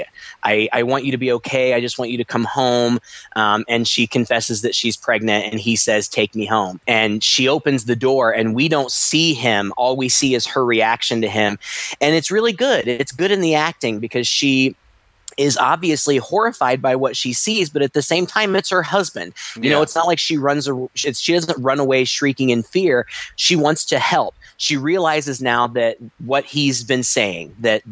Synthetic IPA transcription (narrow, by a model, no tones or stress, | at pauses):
ʔa̰ɪa̰ɪwɑ̃nt͡ʃɨɾɨbioʊkʰeɪaɪd͡ʒʌst̚wɑ̃nt͡ʃɨɾɨkʰʌ̃mhõʊ̃mʔʌ̃mɨ̃nʃikʰɨ̃ɱfɛsɨzðɨtʃiz̥pʰɹ̥ɛɡ̚nɨ̃ntɨ̰̃nisɛz̥tʰeɪk̚miɦõʊ̃mɨ̃nʃioʊpɨ̃nzðɨdɔɹɨ̃nwidõʊ̃ntsiɪ̃mɔlˠwisiɨz̥ə˞ɹiækʃɨ̃ntɨɪ̃mɨ̃nɨtsɹɪlˠiɡʊɾɨtsɡ̥ʊɾɨ̃nðiæk̚tɪ̃ŋbɨkʰʌz̥ʃi | ɪzɑ̰bviɨslihɔɹɨfaɪd̚baɪwʌtʃisizbʌɾɨt̪̚ðɨsẽɪ̃mtʰãɪ̃mɨtshə˞hʌzbɨ̃nd̥jɨnoʊətsnət̚laɪkʃiɹʌ̃nzəʃɨtsʃidʌzə̃nt̚ɹʌ̃nəweɪʃɹikɪ̃ŋɨ̃nfɪɹʃiwɑ̃ntstʰɨhɛlˠp̚ʃiɹiəlaɪzɨznaʊðɨt̚wʌt̚hizbɨ̃nseɪɪ̰̃ŋðɨt̚